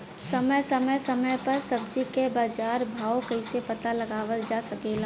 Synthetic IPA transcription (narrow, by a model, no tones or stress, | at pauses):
səməjsəməjsəməjpɐɾsɐbd͡ʒikebaːd͡ʒaːɾbʱaːokəɪsepɐt̪alɐɡaːʋəld͡ʒasɐkeːla